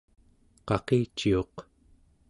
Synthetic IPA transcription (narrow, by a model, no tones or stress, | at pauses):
qɑqet͡ʃːio̞q